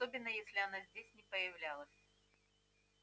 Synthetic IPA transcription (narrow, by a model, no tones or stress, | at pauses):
obʲɪn̪ːəjesʲlʲɪɐnazʲdʲesʲnʲɪpəjɪvlʲalˠəsʲ